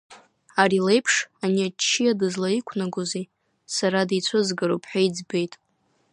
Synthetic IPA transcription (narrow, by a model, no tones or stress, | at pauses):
aɾile̞jpʰʂaniat͡ʃʰːijadɨzlaikʷʰnaɡʷoze | saɾadit͡sʷʰozɡaɾopʰħʷaid͡zbejtʼ